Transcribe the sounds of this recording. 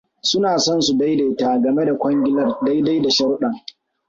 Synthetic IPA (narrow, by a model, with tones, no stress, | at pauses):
sʊ˦naː˨sɔ˦nsu˨da˦jda˨taː˦ɡɐ˨me˦da˨kʷɐ˦ŋɡʲɪ˦lɐ˦rda˦jda˦jda˨ʃɐ˦ɽɗɐ˨ŋ